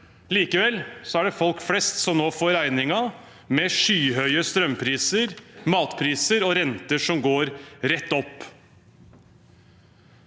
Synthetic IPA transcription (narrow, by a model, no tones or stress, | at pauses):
liːkəʋɛlsɔæɖɛfɔlkflɛst̪sɔmnoːfoːɾæɪnɪŋɑ | mɛʂyːɦœʏəst̪ɾœmpʰɾiːsəɾmɑːt̪pʰɾiːsəɾɔɾɛnt̪əʂɔmɡoːɾɾɛt̪ːɔpː